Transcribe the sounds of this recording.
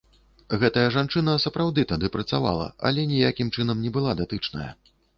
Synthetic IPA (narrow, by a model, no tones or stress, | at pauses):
ɣɛt̪ɐjɐʐant͡ʂɨnɐsɐpɾawd̪ɨt̪ad̪ɨpɾɐt̪sava̰lˠɐ̰ɐ̰lʲɛnʲijakʲimt͡ʂɨnɐmnʲɛbɨlˠad̪at̪ɨt͡ʂnɐ̰jɐ̰